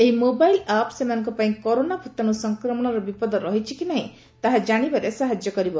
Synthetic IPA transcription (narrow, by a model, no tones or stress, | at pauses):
eɦimobajlapsemanɔŋkɔpaĩkɔɾonabʱut̪añusɔŋkɾɔmɔɽ̃ɔɾɔbipɔd̪ɔɾɔɦit͡ʃʰikinaɦĩ | t̪aɦad͡ʒaɽ̃ibaɾesaɦad͡ʒjɔkɔɾibɔ